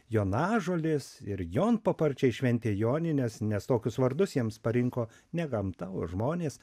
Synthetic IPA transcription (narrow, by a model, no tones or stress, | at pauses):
joːnɑːʒoːlʲɪsɪɾjoːnpɐpɐɾʲt͡ʃʲɛɪʃʲʋʲɛnʲt̪ʲeːjoːnʲɪnʲɛsnʲɛst̪oːkʲʊsʋɐɾd̪ʊsjiɛmspɐɾʲɪŋkoː | nʲɛɡɐmt̪ɐʊoʒmoːnʲeːs